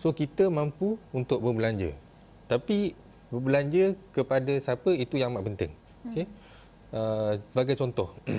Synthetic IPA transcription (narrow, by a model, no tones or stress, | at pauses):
sokit̪əmãmpuːnt̪ʊʔ̚bərbəlaɲd͡ʒə̰ | t̪api | bərbəlaɲd͡ʒəkəpadasapəit̪ujaŋmaʔpənt̪ɪ̰ŋ | oke | əsəbaɡajt͡ʃɔnt̪ɔh